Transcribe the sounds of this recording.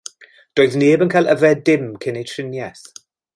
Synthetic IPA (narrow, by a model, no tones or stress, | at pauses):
d̥oːɨðneːbənkʰajlˠʔəvɛdɪmkʰɪnejtʰrɪnjɛθ